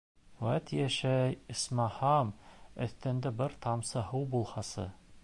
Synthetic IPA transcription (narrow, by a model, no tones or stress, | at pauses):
wæt̪jæʃæɘ̆smɑhɑmɵ̰̆θt̪ɘ̆nd̪ɘbɘɾt̪ɑmsɤɦɤwbulˠhɑsɤ̰